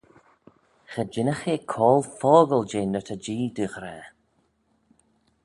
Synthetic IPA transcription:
xəd͡ʒɪnəxeːkʰɔːlfɔːɡəld͡ʒeːnət̪ʰəd͡ʒiːd̪yɣɾɛː

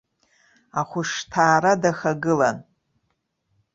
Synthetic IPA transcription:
aχʷʊʂtʰaːɾadaxaɡɨlan

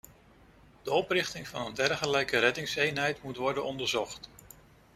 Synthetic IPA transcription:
d̥əɔprɪχtɪŋvɑnəndɛɹχəlɛjkərɛdɪŋsejnɦɛjtmutʋɔɹdənɔndəɹzɔχt

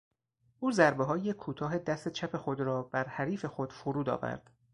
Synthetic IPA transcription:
ʔuːzæɾbeɦɒːjekʰuːt̪ʰɒːɦe̞d̪æst̪e̞t͡ʃʰæpʰe̞xo̞d̪ɾɒːb̥æɾhæɾiːfe̞xo̞d̪̥fuɾuːd̪ɒ̰ːvæ̰ɾd̪̥

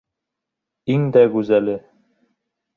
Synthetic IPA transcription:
iŋd̪æɡʉzælɘ

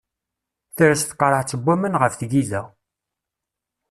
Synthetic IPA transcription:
θəɾæsθqːəɾˤəʕt͡sːəbʷːæmənʁəfθɡiðæ

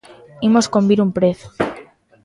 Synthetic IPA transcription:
imoskombiɾumpɾeθu̥

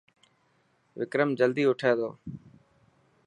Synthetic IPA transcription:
ʋɪkɾəmd͡ʒəld̪iːʊʈʰeːd̪o̰ː

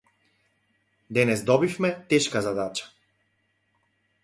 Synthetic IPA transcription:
d̪ɛnɛzd̪ɔbifmɛt̪ɛʃkazad̪at͡ʃḁ

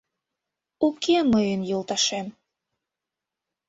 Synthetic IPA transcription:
ukeməjənjolˠt̪ɑʃem

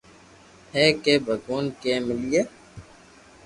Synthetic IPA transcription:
hɛːkeːbʱəɡoːnkeːmɪlijeː

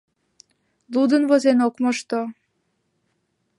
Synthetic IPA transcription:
lˠud̪ənβozenokmoʃt̪o

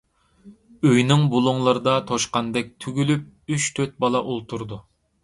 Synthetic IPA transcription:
øjnɪŋbulˠuŋlˠɨɾɨd̪ɑt̪ʰoʃqɑnd̪ɛk̚ʲt̪ʰyɡʲylyp̚yt͡ʃt̪ʰøt̪̚bɑlˠɑʔolˠt̪ʰuɾd̪u

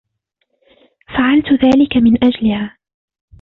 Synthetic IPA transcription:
faʕalt̪ðaːlɪkamɪnʔad͡ʒlɪhaː

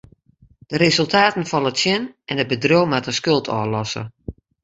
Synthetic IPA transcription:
d̥əɾezəlˠtʰaːtən̩fɔlˠətsjɛnʔɛnəbədrowmatəskølˠtʰɔːlɔsə̰

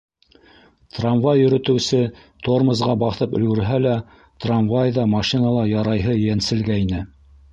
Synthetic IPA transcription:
t̪ranvajːɵ̆ɾɵ̆t̪ɘ̆wsɘ | t̪ʰormɤ̆zʁɑbɑθɤpɵ̆lɡɵ̆ɾɦælæ | t̪ranvajðɑmɑʃinɑlˠɑjɑɾɑjɦɤjænsɘ̆lɡæinɘ

